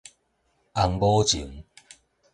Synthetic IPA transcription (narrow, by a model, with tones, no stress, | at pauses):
a˧ŋboː˦t͡ɕḭ˨˦ŋ